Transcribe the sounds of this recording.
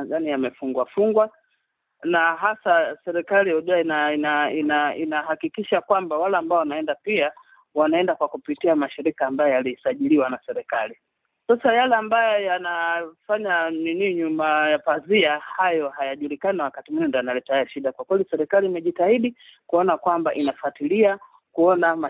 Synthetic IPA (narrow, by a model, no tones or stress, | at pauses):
ɡanijamɛfuŋɡwafuŋɡwa | naɦasasɛɾɛkaliɔʄɛainainainainaɦakikiʃakwambawalaːmbaɔwanaɛndapia | wanaɛndakwakupitiamaʃiɾikaːmbajɔjalisaʄiliwanasɛɾɛkali | sasajalɛambajɔjanafaɲaniniɲumajapaziahajɔhajaʄulikanawakatimwiɲɔndɔjanalɛtahajɛʃiɗakwakwɛlisɛɾɛkaliːmɛʄitahiɗikuɔnakwambaʔinafatilia | kuɔnama